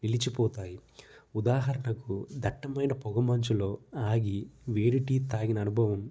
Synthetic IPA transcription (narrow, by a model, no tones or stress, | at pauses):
nilit͡ʃipɔːt̪aːjiud̪aːɦɐɾɐɳɐkud̪ʱɐʈːɐmɐjnɐpɔɡɐmɐɲt͡ʃulo̞ːaːɡiʋeːɾiʈit̪aːɡinɐnubʱɐʋɐm